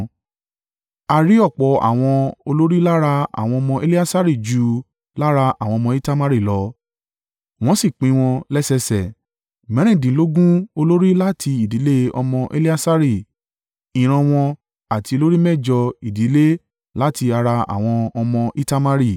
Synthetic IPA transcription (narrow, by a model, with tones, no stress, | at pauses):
a˧ɾi˦ɔ˦˨k͡pɔ˨˦a̰˨w̃ɔ̃˧o˧lo˦ɾi˦la˦ɾa˧a̰˨w̃ɔ̃˧ɔ˧mɔ̃˧e˦li˦a˦sa˦ɾi˦˨d͡ʒu˨˦ | la˦ɾa˧a̰˨wɔ̃˧ɔ˧mɔ̃˧i˦ta˦ma˦ɾi˦˨lɔ˨˦ | w̃ɔ̃˦si˦˨k͡pĩ˨˦w̃ɔ̃˧lɛ˦sɛ˧sɛ˨ | mɛ̃˨˦ɾ̃ĩ˦˨dĩ˨˦lo˦ɡũ˦o˧lo˦ɾi˦la˦tʰi˧i˨di˨˦le˦ɔ̰˧mɔ̃˧ʔe˦li˦a˦sa˦ɾi˦˨ | ĩ˨ɾ̃ã˧w̃ɔ̃˧ | a˨tʰi˧o˧lo˦ɾi˦mɛ˦˨d͡ʒɔ˧i˨di˨˦le˦ | la˦ti˧a˧ɾa˧a̰˨w̃ɔ̃˧ɔ˧mɔ̃˧ʔi˦ta˦ma˦ɾi˦˨